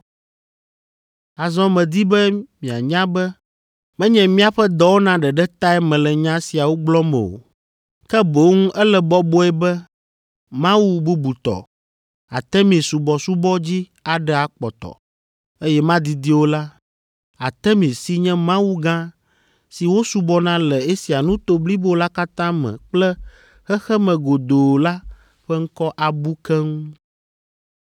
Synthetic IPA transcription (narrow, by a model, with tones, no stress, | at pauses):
a˨zɔ̃˦mɛ̃˨d̪i˦bɛ˦mĩ˨a˨ɲã˦bɛ˦ | mɛ̃˦ɲɛ̃˨mĩ˦a˨ɸɛ˦d̪ɔ˦wo˦nã˨ɖɛ˨ɖɛ˦t̪a˦ɛ˦mɛ̃˨lɛ˨ɲã˦si˨a˨wo˦ɡ͡blɔ˦mɛ̰̃˨o̰˨ | kɛ˦bo˨˦ŋũ˦ʔɛ˦lɛ˨bɔ˦bɔ˦ɛ˦bɛ˦ | mã˦wu˦bu˦bu˨t̪ɔ̰˨ | a̰˨t̪ɛ˦mĩ˨su˨bɔ˨su˦bɔ˦d͡ʑi˦ | a˨ɖɛ˦a˨k͡pɔ˨t̪ɔ̰˨ | e˦jɛ˦mã˦d̪i˨d̪i˦wo˦la˦ | a˨t̪ɛ˦mĩ˨si˦ɲɛ̃˦mã˦wu˦ɡã˦ | si˨wo˦su˦bɔ˦nã˦lɛ˨e˦si˨a˨nũ˦t̪o˦bli˦bo˦la˦ka˦t̪ã˦mɛ̰̃˨k͡plɛ˦ | xɛ˦xɛ˦mɛ̃˨ɡo˨d̪o˨la˦ | ɸɛ˦ŋ̩˦kɔ˦ʔa˨bu˦kɛ˦ŋũ˦